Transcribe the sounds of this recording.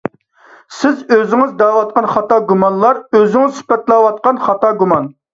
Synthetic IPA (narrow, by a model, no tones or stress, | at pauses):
sɪzøzɪŋɪzd̪ɑwɑt̪̚qɑnχɑt̪ʰɑɡumɑnlˠɑɾøzɪŋɪzsy̥pɛt̪lˠɑwɑt̪̚qɑnχɑt̪ɑɡumɑn